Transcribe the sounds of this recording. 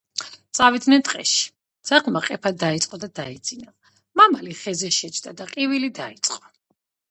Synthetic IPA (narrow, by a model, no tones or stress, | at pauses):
t̪sʼavid̪nɛnt̪ʼqʼɛ̰ʃi̥ | d̪z̥aʁmaqʼɛpʰad̪ait̪sʼqʼɔd̪ad̪aid̪z̥ina | mamaliχɛzɛʃɛt͡ʃʰd̪ad̪aqʼivilid̪ait̪sʼqʼɔ